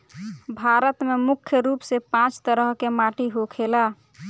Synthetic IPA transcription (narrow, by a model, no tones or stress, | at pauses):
bʱaɾət̪memukʰjəɾupsepãt͡ʃt̪əɾəɦkemaʈiɦokʰela